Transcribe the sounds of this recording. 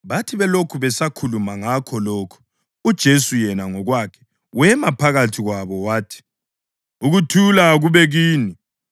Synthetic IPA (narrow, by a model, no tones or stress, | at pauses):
βatʰiβɛlokʰuβɛsakʰulumaŋakʰɔloːkʰu̥ | ud̥ʒ̥ʱesujɛnaŋɔɣwakʰɛ̥ | wɛmapʰaɣatʰiɣwaβɔwaːtʰi̥ | uɣutʰulaɣuβɛɣiːni